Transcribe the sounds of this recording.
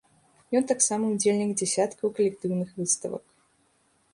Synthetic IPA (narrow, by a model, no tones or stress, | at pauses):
jɔnt̪aksamɐud͡zʲelʲnʲiɡd͡zʲɛsʲat̪kɐwkɐlʲɛk̚t̪ɨwnɨxvɨst̪ɐ̰vɐ̰k